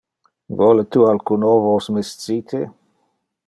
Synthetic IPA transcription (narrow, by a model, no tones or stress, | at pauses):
vɔlet̪ualkunovosmest̪t͡sit̪ʰe